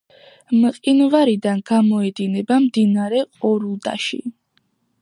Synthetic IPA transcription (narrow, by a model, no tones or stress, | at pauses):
mqʼinvaɾid̪anɡamɔɛd̪inɛbamd̪inaɾɛqʼɔɾud̪a̰ʃḭ